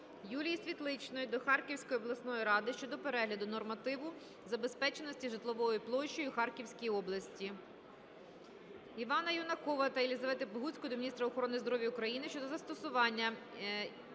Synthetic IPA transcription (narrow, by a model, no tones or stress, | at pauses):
julʲijsʲʋʲit̪lˠɪt͡ʃnɔjʊd̪ɔxɑrkʲiwsʲkɔjɔblˠɐsnɔjiɾɑd̪ɪʃt͡ʃɔd̪ɔpeɾɛɦlʲɐd̪ʊnɔrmɐt̪ɪʋʊ | zɐbe̞spɛt͡ʃenɔsʲtʲiʒɪt̪lˠɔʋɔjiplˠɔʃt͡ʃːɔjʊxɑrkʲiwsʲkʲijiɔblˠɐsʲtʲi | iʋɑnɐjɔnɐkɔʋɐt̪ɐilʲizɐʋɛt̪ɪpɔɦut͡sʲkɔɔd̪ɔmʲnʲist̪ɾɐɔxɔɾɔnɪzd̪ɔɾɔʋʲjɐʊkɾɐjinɪʃt͡ʃɔd̪ɔzɐst̪ɔsʊʋɑnʲːɐ